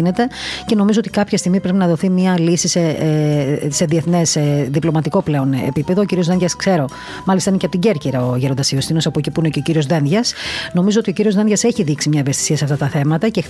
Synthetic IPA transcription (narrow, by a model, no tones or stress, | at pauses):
ne̞t̪e̞ce̞no̞mizoot̪ikɐpçɐst̪iɣmipɾe̞pinɐðoθimɲɐlisise | se̞ðieθne̞sðiplo̞mɐt̪iko̞ple̞o̞nḛpipe̞ðoːciɾiozðe̞nʝɐskse̞ɾo̞ | mɐlist̪ɐineceɐpot̪iɟe̞ɾciɾɐoʝeɾond̪ɐsiost̪ino̞sɐpocipuneceociɾio̞zðenʝɐsno̞mizoot̪iociɾio̞zðenʝɐseçiðiksimɲɐivest̪isiɐseɐft̪ɐft̪ɐθe̞mɐt̪ɐcex